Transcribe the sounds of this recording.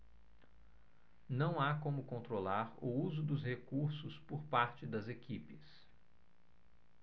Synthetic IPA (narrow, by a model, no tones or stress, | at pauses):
nɐ̃w̃akõmʊkõnt̪ɾolaɾʊuzʊd̪ʊshekuɾsʊspʊɾpaɾt͡ʃɪd̪ɐzekipɪs